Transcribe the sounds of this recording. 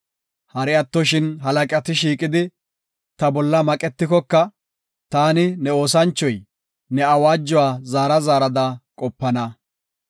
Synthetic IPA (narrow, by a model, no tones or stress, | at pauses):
hɐɾɛɐt̪ːɔʃɪnɦɐlɐkʼɐt̪ɪʃiːkʼɪd̪ɪ | t̪ɐbɔlːɐmɐkʼɛt̪ːɪkɔkːɐ | t̪aːnɪnɛo̞ːsɐnt͡ʃːɔj | nɛɐwaːd͡ʒːɔwaːzaːɾɐzaːɾɐd̪ɐkʼɔpːɐnɐ